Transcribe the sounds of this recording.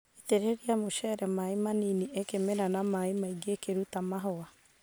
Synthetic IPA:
eteɾeɾiamoʃɛɾɛmaemaniniʔekemeɾanamaemaiɡekeɾutamaɦɔa

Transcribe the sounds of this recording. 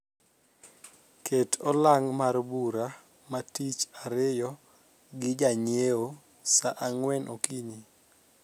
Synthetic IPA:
ketʰɔlaŋmarbuɾa | matit͡ʃaɾɪjɔ | ɡɪd͡ʒaɲeo | saʔaŋwɛnʔokiɲi

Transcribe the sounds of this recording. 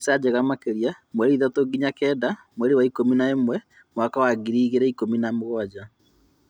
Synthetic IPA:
sad͡ʑɛɣamakeɾiamwɛɾiðatoɡiɲakɛːda | mwɛɾewaikominaemwɛ | mwakawaɡiɾiːɣeɾɛikominamoɣɔad͡ʒa

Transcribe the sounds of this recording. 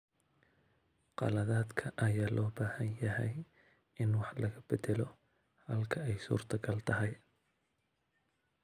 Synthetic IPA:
qɑ̰lɐðaːd̪kʰɐʔɐjaːlʔɔːbaːhɐnjɐɦɛj | ɪnwɑħlɐɣɐb̥ɛd̪ɛlɔ | hɐlkʰɐɛjsṵːrt̪ʰɐɡʰɐlt̪ʰɐɦɐj

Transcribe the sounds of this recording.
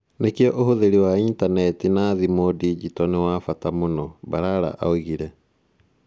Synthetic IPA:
nekeɔʔohoðeɾiwaintanɛtinaðimodid͡ʒitɔnewafatamonɔbaɾaɾa̰ʔa̰oɣiɾɛ

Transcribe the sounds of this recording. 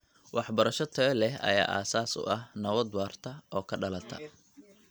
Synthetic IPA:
wʔɑħbɐɾɐʃɔt̪ʰɐɛlɛɦɐ̰ja̰ːʔa̰ːsaːsʊ̰ʔɐhnɐwɐd̪waːrt̪ʰɐʔɔːkʰɐɖɐlɐt̪ʰɐ̰

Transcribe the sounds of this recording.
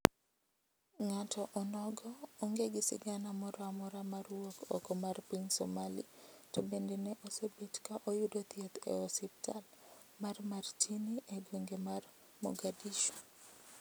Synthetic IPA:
ŋatɔʔɔnɔɡɔoŋɡeɡɪsɪ̰ɡanamɔɾɔamɔɾamaɾwokɔ̰kɔmarpinsɔ̰malḭtɔbendeneʔosebetkaʔojudot̪jet̪ḛɔsip̚tʰal | marmartʰiniʔeɡoŋɡemar | mɔ̰ɡadiʃo̥

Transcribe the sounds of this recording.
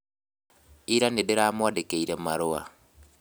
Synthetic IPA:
iɾanedeɾaːmwadekeiɾemaɾʊa̰

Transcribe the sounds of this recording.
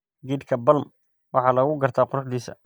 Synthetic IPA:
ɡiːd̪kʰɐbɐlm | wɑħɑːlɐɣʊɡɐrt̪ʰaːqʊrʊħd̪iːsɐ̰

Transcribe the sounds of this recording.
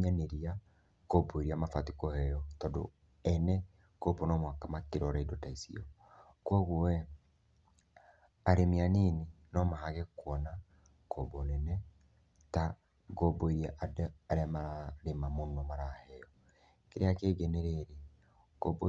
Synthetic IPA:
ɲaneɾia | koboiɾiamafatikɔhɛjɔtɔdo̰ | ɛnɛ | kobonɔmwakamakeɾɔɾaidotaisḭɔ | kwɔɣwɔɛ | aɾemianene | nɔmaɦaɣɛkwɔna | kobonɛnɛ | ta | ɡoboiɾiaʔadaɾeamaɾemamonɔmaɾahɛjɔ | keɾeakeːɡɛnɛɾɛɾɛ | ɡobo

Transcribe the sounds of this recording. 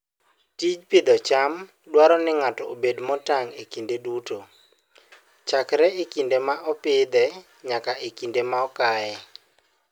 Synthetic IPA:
tid͡ʒpɪd̪ɔt͡ʃam | dwaɾɔnɪŋatɔobedmɔtaŋekindeduto | t͡ʃakɾɛekindemaʔɔpɪd̪ɛ | ɲakaʔekindemaɔkaɛ

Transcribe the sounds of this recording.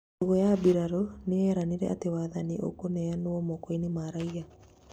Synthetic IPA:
oɣojabiɾaɾoneɛɾaniɾɛ̰ʔa̰tewaːðaniʔo̰konɛanwɔmɔkoinemaɾaia

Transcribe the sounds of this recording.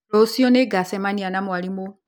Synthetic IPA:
osioneɡasemanianamualimo

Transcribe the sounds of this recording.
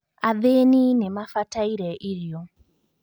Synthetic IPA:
aðeninɛmafataiɾɛʔiljɔ

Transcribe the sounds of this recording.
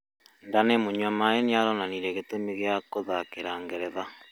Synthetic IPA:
ndanemoɲamaeneaɾɔnaniɾɛɣetomeɣjakoðakeɾaːŋɡeɾɛða

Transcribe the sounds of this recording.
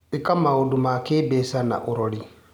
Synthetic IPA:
ʔikamːawudumakɛbɛsana̰ʔuɾoɽi

